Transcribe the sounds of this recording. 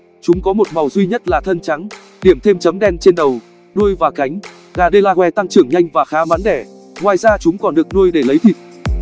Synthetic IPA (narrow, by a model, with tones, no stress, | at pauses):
t͡ɕʊ˨˦ŋ͡mkɔ˨˦mo˨˩t̚ma˨˩wzwi˧ɲə˦˥t̚laː˨˩t̪ʰə˧nt͡ɕa˨˦ŋ | ɗi˧˩əmt̪ʰe˧mt͡ɕə˨˦mɗɛ˧nt͡ɕe˧nɗə˨˩w | ɗu˧əjvaː˨˩ka˨˦jŋ̟ | ɣaː˨˩ɗə˧laː˧hwɛ˧˩˦t̪a˧ŋt͡ɕɨ˨˧˩əŋɲa˧jŋ̟vaː˨˩xaː˨˦ma˨˦nɗɛ˧˩ | ŋwaː˨˩jzaː˧t͡ɕʊ˨˦ŋ͡mkɔ˨˩nɗɨ˨˩ək̚nu˧əjɗe˧˩lə˨˦jt̪ʰḭ˧˨t̚